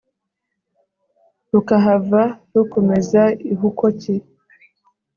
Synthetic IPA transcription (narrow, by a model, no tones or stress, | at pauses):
ɾukaɦavaɾukomezaiɦukoci